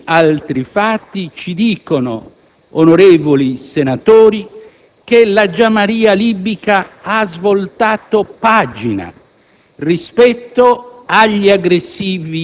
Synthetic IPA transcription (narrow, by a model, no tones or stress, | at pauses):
alt̪ɾifat̪ːit͡ʃid̪iːkono̰ | onoɾeːvolisenat̪oːɾi | kelad͡ʒamaɾiːalibikaazvolt̪aːt̪opaːd͡ʒina̰ | rispɛt̪ːoaʎːiaɡɾesːiːvi